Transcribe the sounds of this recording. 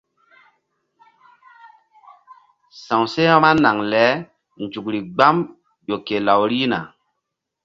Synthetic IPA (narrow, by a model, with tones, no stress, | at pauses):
sã˨wse˦ha˦ma˦na˨ŋlɛ˨˦ | nd͡ʒu˨kɾi˨ɡ͡ba˦m | jo˨ke˨la˨wɾi˦na̰˨